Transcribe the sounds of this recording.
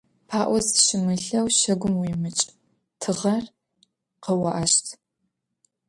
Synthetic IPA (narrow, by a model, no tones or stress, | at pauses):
pʰaːʔʷɔzʃɪmɨɬɐwʃɐɡʷʊmwimɨt͡ʃʼ | tʰɨʁɐr | qəwɐʔɐʃtʰ